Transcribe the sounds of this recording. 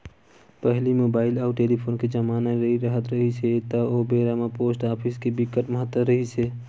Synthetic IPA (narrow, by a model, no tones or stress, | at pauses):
pəɦlimoːbaːɪlɔːʈeːlipʰoːnked͡ʒəmaːnaɾəɦiɾəɦət̪ɾəɦiset̪ɐoːbeɾamapoːsʈaːpʰɪskebɪkːəʈməɦət̪ːəɾəɦise